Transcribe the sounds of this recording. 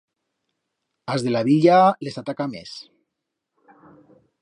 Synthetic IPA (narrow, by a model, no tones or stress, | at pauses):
azðe̞laβiʎale̞sat̪akamḛs